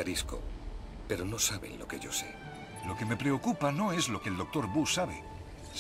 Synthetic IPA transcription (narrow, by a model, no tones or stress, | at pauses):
aɾisko̰ | pe̞ɾo̞no̞saβe̞̰nlo̞ke̞̰ʝo̞se̞̰ | lo̞ke̞me̞pɾe̞o̞kupano̞e̞zlo̞keːld̪o̞k̚t̪o̞ɾbusaβe̞